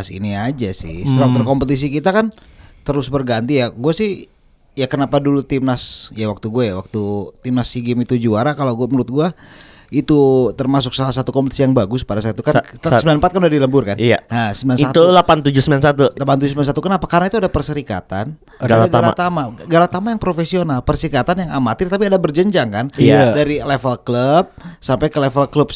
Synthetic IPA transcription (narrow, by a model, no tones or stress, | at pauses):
asḭniad͡ʒasɪ̰səat̪ərkompət̪̬is̬ikit̪akant̪əɾʊsbərɡant̪ijaɡuasɪh | jakənapadulut̪imnasjawak̚t̪uɡuajawak̚t̪ut̪imnasiɡɪmit̪ud͡ʒuaɾakalaɡuamənuʊt̪̚ɡua | it̪ut̪ərmas̬ʊk̚salasat̪ukɔmpət̪isijaŋbaɡʊspadasat̪ukansəmbilanmpat̪kanudadiləmbʊrkanaasəmbilanat̪ulapant̪ud͡ʒusəmilansat̪ulapanud͡ʒusəmilansat̪ukənapakarənait̪uadahpərsəɾika̰t̪an | ɡalaɡ̪ala̰t̪amaɡalat̪amajaŋpɾofesionalpərsəɾikat̪anjaŋamat̪it̪apiadabərd͡ʒəɲd͡ʒaŋkanadaɾilefəlkləp̚sampajkəlefəlkləp̚